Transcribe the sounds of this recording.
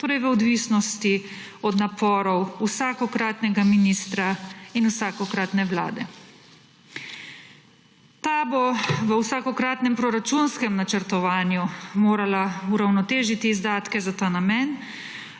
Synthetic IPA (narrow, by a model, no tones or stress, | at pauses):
t̪oːɾɛjʋəɔd̪ʋisnɔst̪i | ɔd̪napɔːɾɔwusaːkɔkɾaːt̪nɛɡaminist̪ɾainuwsaːkɔkɾat̪nɛʋla̰ːd̪ɛ | t̪aboʋəwsaːkɔkɾaːt̪nɛmpɾɔɾat͡ʃunskɛmnat͡ʃəɾt̪ɔʋaːnjumoːɾalauɾawnɔt̪eːʒit̪iːzd̪aːt̪kɛzat̪aːnamɛn